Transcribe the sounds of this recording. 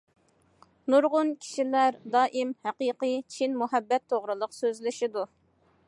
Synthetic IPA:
nuɾʁʊnkʲʰi̥ʃilæɾd̪ɑːʔimhæqiqit͡ʃʰinmuɦɛbːɛt̪ʰːoʁɾɨlˠəqsøzlɪʃid̪u

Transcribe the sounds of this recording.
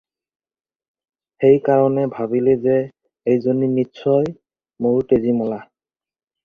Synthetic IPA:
xejkaɹɔnɛbʱabileze | ejzonimitsɔj | moɹtezimɔla

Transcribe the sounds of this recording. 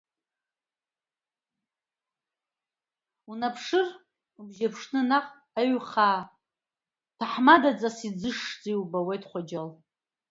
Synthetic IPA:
unapʰʂɨr | bʒapʰʂnɨnaqʼ | aɥχaː | tʰaħmadad͡zʼasid͡zɨʂd͡ziwbawejtχʷad͡ʒal

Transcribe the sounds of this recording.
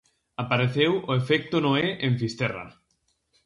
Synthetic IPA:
apaɾeθewoefek̚t̪onoeʔeɱfist̪era̰

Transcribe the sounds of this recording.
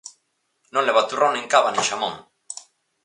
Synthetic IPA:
nõnleβat̪urawneŋkaβaniʃamoŋ

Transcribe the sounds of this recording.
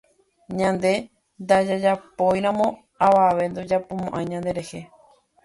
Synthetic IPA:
ɲãnd̪e̞ | nd̪ad͡ʒad͡ʒapo̞jɾ̃ãmõ̞ | aʋaʋe̞nd̪od͡ʒapomõʔãj̃ɲãnd̪e̞ɾe̞he̞

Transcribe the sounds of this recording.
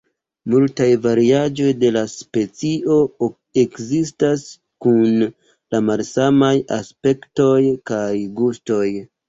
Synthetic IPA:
multajvaɾiad͡ʒo̞jde̞laspe̞t͡siʔo̞ | e̞kzistas | kun | lamalsamaja̰spe̞kto̞jkajɡusto̞j

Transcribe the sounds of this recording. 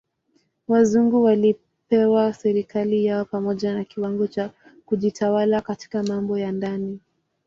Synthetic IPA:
wazuŋɡuwali | pɛwasɛɾikalijaɔpamɔʄanakiwaŋɡɔt͡ʃa | kuʄitʰawalakati̥kamambɔjandani

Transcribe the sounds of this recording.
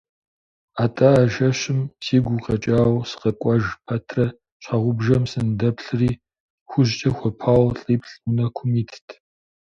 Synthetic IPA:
aːtʼɐːʒɐɕɪmsiːɡʷʊqɐt͡ʃʼaːwsɨ̥qɐkʷʼɐʒpʰɐtʰrɐ | ɕʷʰɑʁʷʊbʒɐmsɨndɐpɬɨriː | xʷʊʑt͡ʃʼɐxʷɔpʰaːwɬʼiːpʰɬʷʊnɐkʷʰʊmiːtʰtʰ

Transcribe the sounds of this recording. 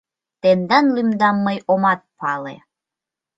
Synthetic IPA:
t̪end̪ɑnlymd̪ɑmːəjomɑt̪̚pɑlḛ

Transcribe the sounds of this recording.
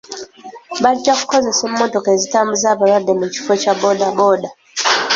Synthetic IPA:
βaɟːaku̥ko̞ze̞semːo̞to̞ke̞ːzitaːmbuzaːβaɾwadːe̞muci̥focabo̞dabo̞da

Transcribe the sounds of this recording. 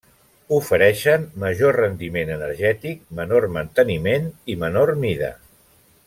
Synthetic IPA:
ufəɾɛʃənməʒorənd̪imenənəɾʒɛt̪ik̚mənormənt̪ənimenimənormiðə̰

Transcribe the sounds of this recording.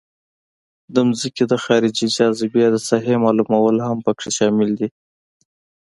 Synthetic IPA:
d̪əmzəked̪əxɑɾɪd͡ʒid͡ʒɑzɪbjɑd̪əsɑɦemɑlumawəlhampəkʂeʃɑmɪld̪i

